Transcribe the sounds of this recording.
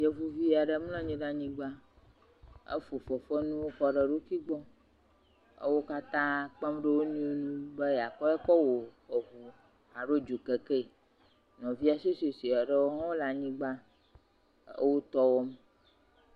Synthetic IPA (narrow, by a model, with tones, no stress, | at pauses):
je˨vu˦vi˦a˨ɖə˦m˦lã˦ɲĩ˦ɖa˦ɲĩ˦ɡ͡ba˦ | ḛ˦fo˨fɔ˨fɛ˦nũ˦wo˦kɔ˦ɖə˨ɖo˦ki˦ɡ͡bɔ˦ | ə̰˦wo˦ka˦t̪ã˦k͡pa˦mɖe˦wo˦nũ˦nũ˦bɛ˦ja˨kɔ˦ɛ˦kɔ˦wo˨ɸɔ˨vu˨ | a˨ɖo˦d͡ʒu˨ke˨ke˦˨ | nɔ̃˨vi˦a˨se˦so˨si˨a˨ɖə˦wo˦ɦã˦wo˦la˨ɲĩ˦ɡ͡ba˦ | ə̰˦wo˦t̪ɔ˦wɔ˦m